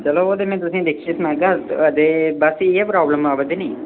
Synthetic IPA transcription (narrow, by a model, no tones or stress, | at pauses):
t͡ʃɐlood̪emẽːt̪usĩd̪ekʰt͡ʃisnaɡad̪ebɐsiepɾaːbləmaːbəd̪eni